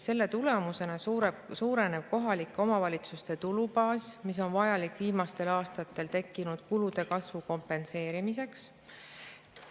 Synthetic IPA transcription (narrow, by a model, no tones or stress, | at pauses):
se̞lːe̞t̪ule̞muse̞nɑsuɾesuːɾe̞ne̞b̥̚ko̞ɦɑlikːˑo̞mɑvɑlʲit̪sust̪e̞t̪ulupɑːsmis̬o̞nvɑjɑlikːˑviːmɑst̪e̞lɑːst̪ɑt̪ːˑe̞lt̪e̞kːinud̪̥̚kulud̪̥e̞kɑsvuko̞mpe̞nse̞ːɾimis̬e̞ks